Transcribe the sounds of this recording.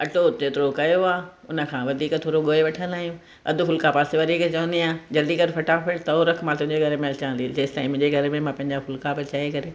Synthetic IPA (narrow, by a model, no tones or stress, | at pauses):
ɐʈot͡ɕeːt̪ɪɾokɐjoaːʊnə̆kʰãːʋɐd̪ʱiːkt̪ʰoːɾoɠoːeʋɐʈʰə̃naːijũ | ɐ̰d̪ʱʊ̆fʊlkapaːseʋɐd̪ʱiːkt͡ɕɐʋə̃nd̪iaːd͡ʑɐld̪ikɐɾfɐʈafʰeʈt̪ɐoɾəkʰmãːt̪ʊ̃ɦɪ̃ɲd͡ʑeɡʱɐɾmẽɐlt͡ɕaə̃nd̪id͡ʑeːst̪aĩmʊ̃ɲd͡ʑeɡʱɐɾmẽmãpɐ̃ɦɪ̃ɲd͡ʑafʊlkapɐɾt͡ɕaːekɐɾe